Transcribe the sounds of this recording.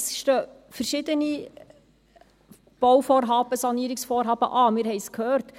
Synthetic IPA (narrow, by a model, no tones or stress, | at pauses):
sʃtøː | fəɾʃɪd̪əni | b̥ɔwfɔːrɦɑːb̥əsɑniːɾɪksfɔːrɦɑːb̥ə̰ʔɑːmɪːɾhɛɪskʰhœːrt